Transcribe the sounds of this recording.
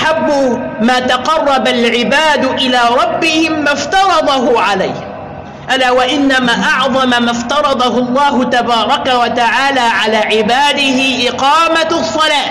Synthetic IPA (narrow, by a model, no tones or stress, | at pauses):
ʔaħabːʊmaːt̪ɑqɑrˤːɑbalʕɪbaːd̪ʔɪlaːɾˤɑbːɪhɪmːaft̪ɑɾˤɑd̪ˤɑɦʊʕalajh | ʔalaːwaʔɪnːamaːʔɑʕðˤɑmamaft̪ɑɾˤɑd̪ˤɑɦʊlˤːɑːɦʊt̪abɑːɾˤɑkawat̪aʕaːlaːʕalaːʕɪbaːd̪ɪhɪʔɪqɑːmasˤːɑlaː